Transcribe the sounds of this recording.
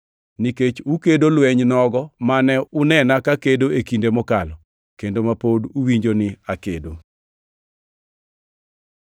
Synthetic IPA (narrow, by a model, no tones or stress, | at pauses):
niket͡ʃukedolwɛɲnɔɡɔmanɛʊnɛnakakedoekindemɔkalɔ | kendomapoduwiɲd͡ʒonɪakedo